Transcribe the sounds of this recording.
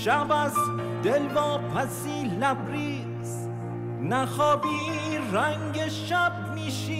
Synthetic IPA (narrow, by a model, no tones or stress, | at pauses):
ʃævæz | d̪elvɒːpʰæs | iːlæbɾiː | z | næxɒːbiː | ɾæŋɡeʃæb̚ | miːʃiː